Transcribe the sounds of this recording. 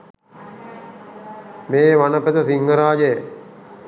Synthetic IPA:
meːʋanəpet̪əsiŋɡəɾaːd͡ʒejə

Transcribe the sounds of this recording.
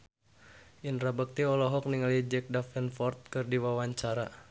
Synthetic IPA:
ʔinɾabək̚t̪iɔlɔɦɔk̚niŋalid͡ʒɛk̚dafɛnfɔrt̪̚kɨrdiwawaɲt͡ʃaɾa̰

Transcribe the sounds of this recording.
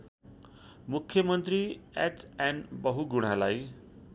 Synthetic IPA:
mukʰjʌmʌnt̪ɾiɛt͡sɛnbʌɦuɡuɽ̤̃alaj

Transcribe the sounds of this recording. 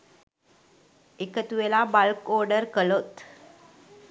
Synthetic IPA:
ekət̪uʋelabalkoɾɖəɾkəlot̪

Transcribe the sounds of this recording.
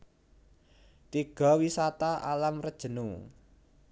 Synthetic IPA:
t̪iɡ̥ɔ̤wisat̪aʔalamrəd̥ʒ̥ə̤nu

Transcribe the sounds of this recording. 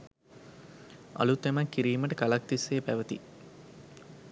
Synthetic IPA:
ɐ̰lut̪ːemɐkːiɾiːməʈəkalɐk̚t̪isːeːpæʋət̪ḭ

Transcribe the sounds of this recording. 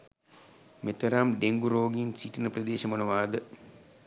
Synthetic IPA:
met̪ɐɾamɖeŋɡuɾoːɡinsiʈinəprɐd̪eːʃɐmɐnɐʋaːd̪ə

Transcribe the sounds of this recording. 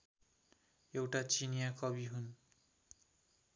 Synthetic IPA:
ewʈat͡sinijakʌbiɦun

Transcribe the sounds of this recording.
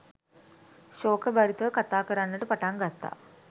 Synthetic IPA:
ɕoːkːɐbɐɾit̪ːɐkɐt̪ːaːkːɐɾaːnːɐʈːɨpɐʈːaːnkɐt̪ːa̰

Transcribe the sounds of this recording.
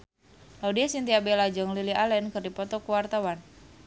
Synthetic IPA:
laudiasint̪iabɛlad͡ʒɨŋlilialɛnkɨrdipɔt̪ɔkuwart̪awan

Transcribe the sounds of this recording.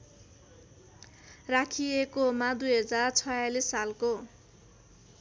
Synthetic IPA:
rakʰiekomad̪ujɦʌd͡zart͡sʰʌjalisːalko

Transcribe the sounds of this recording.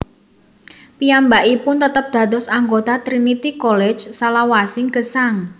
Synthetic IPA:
piambaʔipʊnt̪ət̪əp̚d̪̥ä̤d̪ɔsaŋɡot̪at̪ɾinit̪ikɔlɛ̥d͡ʒsalawasɪŋkəsaŋ

